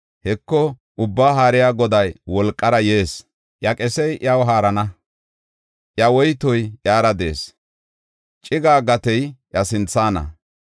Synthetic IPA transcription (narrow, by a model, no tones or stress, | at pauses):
hɛkːɔ | ʔʊbːaːɦaːɾɪjaːɡɔd̪ɐjwɔlkʼːɐɾɐje̞ːs | ʔjɐkʼɛsɛjʔjɐwɦaːɾɐnɐ | ʔjɐwɔjt̪ɔjʔjaːɾɐd̪e̞ːs | t͡ʃʼɪɡaːɡɐt̪ɛjʔjɐsɪnt͡sːaːnɐ̰